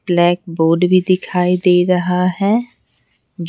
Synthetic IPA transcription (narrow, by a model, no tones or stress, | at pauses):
blɛːk̚boːɾɖbʱid̪ɪkʰaːid̪eːɾɐɦaɦɛː | d͡ʒ